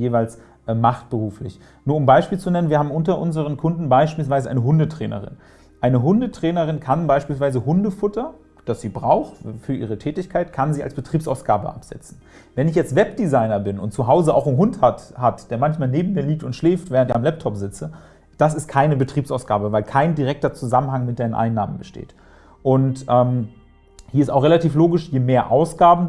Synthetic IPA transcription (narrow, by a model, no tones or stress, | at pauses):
jeːvaɪls | ʔɛmaχt̚b̥əʁuːflɪ̰ç | nuːɐʊmbaɪʃpiːlt͡sunɛnənviɐhaːbm̩ʔʊntɐʔʊnzəʁ̞ənkʰʊndn̩baɪʃpiːlsv̥aɪzəʔa̰ɪnəɦʊndətʁ̥ɛ̰ːnə̰ʁɪ̰n | ʔaɪnəɦʊndətʁ̥ɛːnəʁɪnkʰanbaɪʃpiːls̬vaɪzəhʊndəfʊtɐ | d̥asz̥iːbʁaʊxfyːɐʔiːʁ̞ətʰɛːtɪçkʰaɪtkʰanziːa̰lsb̥ətʁ̥iːpsaʊsɡ̥a̰ːbə̰ʔa̰pz̥ɛ̰t͡sn̩ | vɛnɪçjɛt͡stv̥ɛp̚d̥izaɪnɐbɪnʊntt͡suɦaʊzəʔa̰ʊxnɦʊnthathatd̥eːɐmançmaːlneːbm̩miːɐliːk̚tʊntʃlɛːftv̥ɛːʁəntɪçamlɛp̚tʰɔpz̥ɪt͡sə | d̥as̬ɪst̚kʰaɪnəbətʁ̥iːpsʔaʊsɡ̥a̰ːbəvaɪlkʰaɪndiʁɛk̚tɐt͡suzamənhaŋmɪt̚d̥aɪnənʔa̰ɪnːaːmən̩bəʃtḛːt | ʔʊntʔɛːm | hiɐɪstaʊχʁelatʰiːfloːɡɪʃjeːmeːɐʔaʊsɡ̥aːbm̩